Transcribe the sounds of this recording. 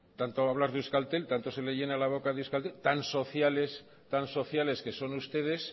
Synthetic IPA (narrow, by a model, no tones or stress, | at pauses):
t̪ant̪oaβ̞lazðuskalt̪e̞lt̪ant̪o̞se̞leʝe̞nalaβ̞o̞kaðuskalt̪elt̪anso̞θjale̞s | t̪anso̞θjale̞ske̞so̞nust̪e̞ð̞e̞s